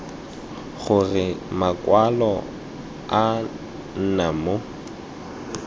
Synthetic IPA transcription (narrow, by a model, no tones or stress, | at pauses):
ɣʊrɪmakʼwalɔ | a | n̩namo